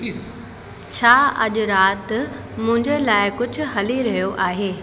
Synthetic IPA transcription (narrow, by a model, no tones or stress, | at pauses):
t͡ɕʰaːɐʄʊ̆ɾaːt̪ | mʊ̃ɦɪ̃ɲd͡ʑəlaːɪkʊd͡ʑʱʊ̆ɦɐliɾɐɦijoʔaːɦeː